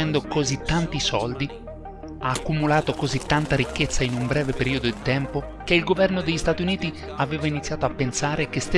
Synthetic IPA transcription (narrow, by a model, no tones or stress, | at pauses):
ɛnd̪okozit̪ːant̪isɔld̪i | aːkːumulaːt̪okozit̪ːant̪aɾik̟ːet̪sːainumbɾɛːvepeɾiːod̪od̪it̪ɛmpo | k̟eilɡovɛrnod̪eʎːist̪aːt̪iuniːt̪i | aveːvainit̪sjaːt̪oapːensaːɾek̟est̪e